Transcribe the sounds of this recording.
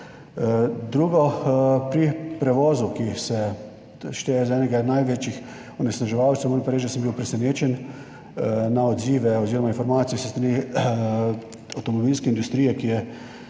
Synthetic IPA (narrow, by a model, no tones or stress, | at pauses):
d̪ɾuːɡɔpɾipɾɛʋɔːzukisɛ | ʃt̪eːjɛzɛːnɛɡanajʋeːt͡ʃix | ɔnɛsnaʒɛʋawt̪sɛwmɔnpaɾeːʒd̪səmbiːwpɾɛsɛneːt͡ʃɛn | naɔd̪ziːʋɛɔziːɾɔmainfɔɾmaːt̪sijɛsɛ̥st̪ɾani | awt̪ɔmɔbilskɛind̪ust̪ɾijɛkijɛ